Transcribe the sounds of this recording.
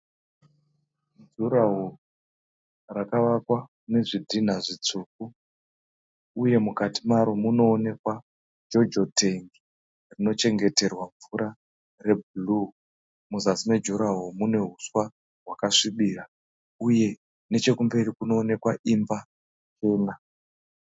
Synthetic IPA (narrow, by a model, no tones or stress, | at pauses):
d͡ʒuɾaɦo | rakaʋakwa | une̞ʐidʱin̤aʐit͡suːk̚u | uje̞mukatimaɾomuno̞ːne̞kwa | d͡ʒo̞d͡ʒo̞tʰe̞ŋɡi | rino̞t͡ʃe̞ŋɡe̞te̞rwaɱvuɾa | re̞bʱulu | muzasime̞d͡ʒuɾaɦomune̞ɦuswa | ɦwakaʂiɓiːra | uje̞ | ne̞t͡ʃe̞kumbe̞rikuno̞ːne̞kwaʔimba | t͡ʃe̞ːna